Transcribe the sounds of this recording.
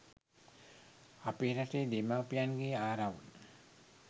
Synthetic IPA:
apeːɾateːd̪emapijanɡeːaːɾaʋun

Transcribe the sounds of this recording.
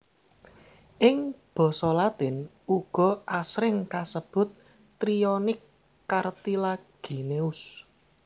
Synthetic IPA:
ʔɪŋb̥ɔ̤sɔlat̪ɪn | uɡ̥ɔ̤ʔasɾɪŋkasəb̥ʊ̤t̪̚ː | ɾiɔnɪkː | art̪ilaɡ̥e̤neʊs

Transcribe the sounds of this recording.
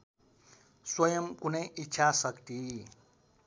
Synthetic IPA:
swʌjʌmkunʌjʔitːɕʰasʌkt̪i

